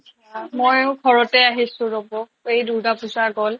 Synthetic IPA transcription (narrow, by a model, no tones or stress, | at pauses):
amɔjɡʱɔɹɔtɛaɦisʊ̃ɹobɔ | ejduɹdapuzaɡɔl